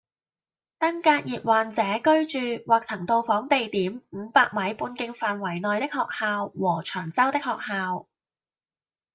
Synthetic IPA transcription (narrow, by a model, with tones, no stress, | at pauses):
t̪ɐ˥ŋkaː˧t̚jiː˨p̚waː˨nt͡sɛː˨˧˥kɵ˥ɥt͡ʃyː˨waː˨˩k̚t͡sʰɐ˨˩ŋt̪o˧wfɔː˨˥ŋt̪e˨jt̪iː˨˥mm̩˨˧˥paː˧k̚mɐ˨˥jpuː˧nkɪ˧ŋfaː˨nwɐ˨˩jnɔː˨jt̪ɪ˥k̚hɔː˨k̚haː˧wwɔː˨˩t͡ʃʰœː˨˩ŋt͡sɐ˥wt̪ɪ˥k̚hɔː˨k̚haː˧w